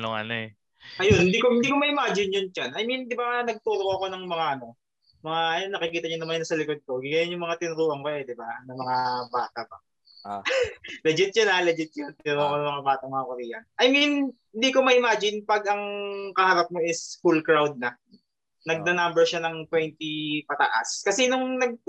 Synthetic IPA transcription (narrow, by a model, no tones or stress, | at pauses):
noŋɐ̰noɛ | ʔɐjonhɪnd̪ikohɪnd̪iːkomɐʔɪmaːd͡ʒɪnjʊnd͡ʒanɐjmind̪ɪbanɐɡ̚t̪uːɾoʔɐko̞nɐŋmɐŋaʔɐno̞ | mɐŋaʔɐjonːɐkɪkiːt̪ɐɲʊnɐmannɐsɐlɪkod̪̚koɡɪɡɐjonjʊŋmɐŋat̪ɪnʊɾuːʔɐŋkoʔɛd̪ɪbanɐmɐŋabaːt̪apɐ | lɐd͡ʒɪt̪̚jonalɛd͡ʒɪt̪̚jʊnt̪ɪnʊɾuːʔɐkonɐŋmɐŋabaːt̪ɐmɐŋakʊɾiːʔɐ̰nʔɐjmin | ɪnd̪iːko̞mɐʔɪmaːd͡ʒɪnpɐɡ̚ʔɐŋkɐhaːɾɐp̚mo̞ʔɪsfulkɹawd̪̚nɐ | nɐɡ̚nɐnambɛɹʃanɐŋt̪wɛnt̪ipɐt̪ɐ̰ʔa̰skɐsɛnʊŋnɐɡ̚